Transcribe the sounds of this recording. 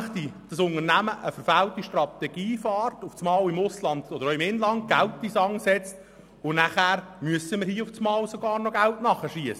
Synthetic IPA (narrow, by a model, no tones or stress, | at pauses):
χt̪id̥ɑsʊnərnæməʔəfəɾfæltiʃtrɑt̪ɛɡ̥iːfɑːrtʊft͡smɑːwɪmʊslɑnd̪̥ɔd̥̪əɾoɪmɪnlɑnt̚ɡ̥æltːisɑŋsɛt͡st | ʊnæχæːɾmyəsəmɪːɾhiːəʊft͡smɑːwsɔɡɑːɾnɔɡæltnɑχəʃiəsə